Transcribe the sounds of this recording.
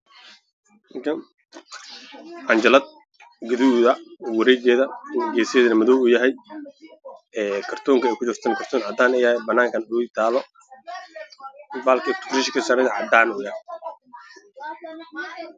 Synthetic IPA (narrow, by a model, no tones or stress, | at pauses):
mɪkʰɐn | ʔɐɲd͡ʒɐlɐd̪̚ | ɡɐðuːðɐwɐɾɛjɡɛːðɐɡɛːsɪjɛːðɐnɐmɐðɔwuːjɐɦɛj | ɛːkʰɐrt̪ʰɔːŋkʰɐɛːkʰʊt͡ʃɪrt̪ʰɐnɐkʰɐrt̪ʰɔːnʕɑd̪aːnɛjɐɛbɐnːaːŋkʰɐnut̪ʰaːlɔ | baːlkʰɛt̪ʰʊ̥rɪʃkʰɐsaːɾɛd̪ʕɑd̪aːnuːjaː